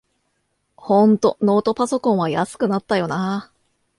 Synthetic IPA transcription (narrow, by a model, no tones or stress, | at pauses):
hõ̞nt̪o̞no̞ːt̪o̞paso̞kõɰ̃βajasɨ̥kɯ̟nat̪ːajo̞na